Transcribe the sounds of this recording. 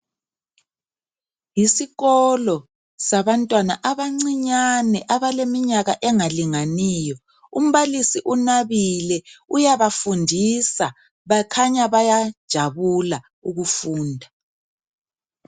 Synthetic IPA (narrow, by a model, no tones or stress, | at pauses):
jisiɣɔlɔ | saβantʼwanaʔaβaŋ͡ǀiɲanɛʔaβalemiɲaɣaʔɛŋaliŋaniːjɔ | um̩βalisiʔunaβilɛujaβafundʱisa | βakʰaɲaβajad̥ʒ̥ʱaβula | uɣufuːndʱa